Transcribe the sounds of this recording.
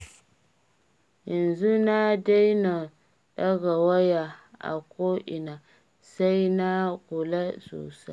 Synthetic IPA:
ji˨nzu˦na˦da˦jna˨ | ɗɐ˦ɡa˨wa˦ja˨a̰˨koː˦ʔɪ˨na˨ | sa˦jna˦kʊ˨la˦so̰ː˨sa˦

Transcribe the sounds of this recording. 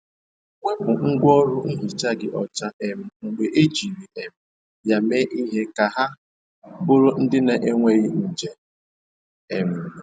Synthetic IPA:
ŋʷe˦bʊ˨ŋ̩˦ɡʷɔ˦ɾʊ˦n̩˦ɦi˨t͡ʃa˦ɡɪ˨ʔɔ˨t͡ʃa˦ʔe˨m̩˦ŋ͡m̩˨ɡ͡be˨ʔe˦d͡ʒi˨ni˨e˨m̩˦ | ja˨me˦ʔi˦ɦe˦ka˨ɦa˦ | bʊ˦ɾʊ˦n̩˦dɪ˦ne˨ʔe˦ŋʷe˦ɣɪ˦n̩˨d͡ʒe˦ | e˨m̩˨

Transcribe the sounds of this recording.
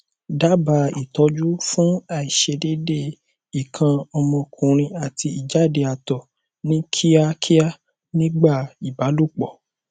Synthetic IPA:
da˨˦ba˧˦i˦˨tɔ˧˦d͡ʒu˦fũ˦a˦˨i˨ʃe˧de˦de˦˨ | i˨kʰã˧ɔ˧mɔ̃˧kʰũ˨ɾ̃ĩ˧a˨tʰi˧i˨d͡ʒa˨˦˨de˧a˨tɔ˨ | nĩ˦kʰi˦a˦kʰi˦a˦ | nĩ˦ɡ͡ba˦˨i˨ba˨˦lu˦˨k͡pɔ˨

